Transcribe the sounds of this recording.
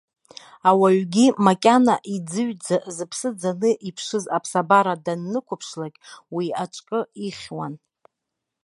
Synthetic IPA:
awaɥɡʲimakʲʼanaʔid͡zɨɥd͡zazɨpʰsɨd͡zanɨʔipʰʂɨzapʰsabaɾadanːɨkʷʊpʰʂlaɡʲʼwiaʈ͡ʂʼkʼɨiχʲwan

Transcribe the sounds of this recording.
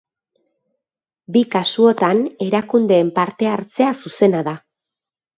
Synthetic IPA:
bikasuo̞t̪ane̞ɾakund̪e̞ːmpaɾt̪e̞aɾt͡se̞asuse̞naða

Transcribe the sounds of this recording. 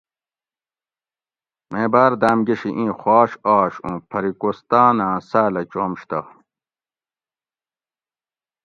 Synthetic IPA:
mẽːbaːɾd̪aːmɡeɕiʔĩːxaːɕaːɕũpʰɐɾikost̪aːnãːsaːlɐt͡ɕoːmɕt̪ɐ̰

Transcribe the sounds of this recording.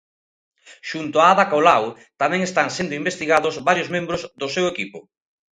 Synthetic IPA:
ʃunt̪oaaðakolaw | t̪amɛ̃ŋest̪aŋsend̪oimbest̪iɣaðʊzβaɾjʊzmẽmbɾʊzðʊsewekipʊ

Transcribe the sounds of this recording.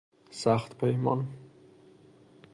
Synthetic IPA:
saχt̪pʰejmɒn

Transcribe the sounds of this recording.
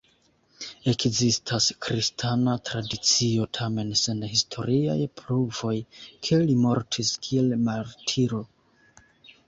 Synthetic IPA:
e̞kzistʰaskɾistʰanatɾadit͡sio̞tʰame̞nse̞nhistʰo̞̰ɾia̰jpluvo̞jkʰe̞limo̞ɾtʰiskʰie̞lmaɾtʰiɾo̞

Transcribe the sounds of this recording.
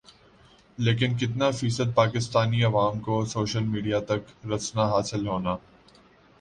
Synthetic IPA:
leːk̬ɪnk̬ɪt̪̬nafiːsəd̪̚paːkɪst̪aːniɐʋaːmkosoːʃəlmiːɖijat̪ɐkɾɐsnaɦaːsɪlɦoːnaː

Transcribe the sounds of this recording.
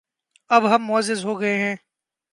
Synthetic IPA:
ɐbɦɐmːʊəzːɪzɦoːɡɐeɦɛ̃ː

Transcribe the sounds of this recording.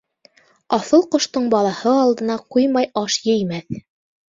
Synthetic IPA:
ɑθɤlˠqŏʃt̪ɤɴbɑlˠɑhɤɑlˠd̪ɤ̆nɑqujmɑjɑʃjɘ̆jmæθ

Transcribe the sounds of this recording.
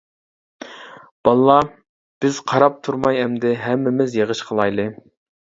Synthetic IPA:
b̥ɑlˠːɑ | b̥ɪz̥qʰɑɾɑp̚t̪ʰuɾmɑjɛmd̪ɪɦɛmːɪmɪzjeʁəʃqʰəlˠɑjlˠɨ

